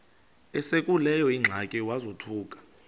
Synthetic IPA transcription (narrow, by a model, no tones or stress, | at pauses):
ɛsekʼulɛjɔiŋ͡ǁʱakʼɛwazotʰuːkʼḁ